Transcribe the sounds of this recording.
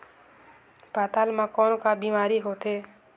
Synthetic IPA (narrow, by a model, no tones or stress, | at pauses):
pat̪almãkɔːnkabimaːɾiɦot̪e